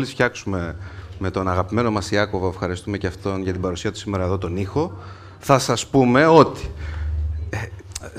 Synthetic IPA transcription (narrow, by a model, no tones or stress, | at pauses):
lisfçɐksume̞me̞t̪o̞nɐɣɐpime̞no̞mɐsiɐko̞voefxɐɾist̪ume̞ceɐft̪o̞nʝɐt̪ibɐɾusiɐt̪u̥sime̞ɾɐeðo̞t̪o̞nixo̞ | θɐsɐspume̞o̞t̪i̥ | e